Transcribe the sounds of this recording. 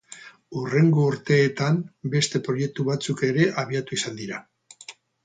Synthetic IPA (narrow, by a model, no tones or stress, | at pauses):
ure̞ŋɡo̞uɾt̪e̞ːt̪ambe̞st̪e̞pɾo̞je̞k̚t̪uβat͡suke̞ɾe̞ʔaβ̞iat̪uisand̪iɾa